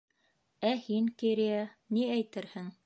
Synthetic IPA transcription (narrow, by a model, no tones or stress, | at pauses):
æhiŋkiɾijɑniæjt̪ɘɾhɘŋ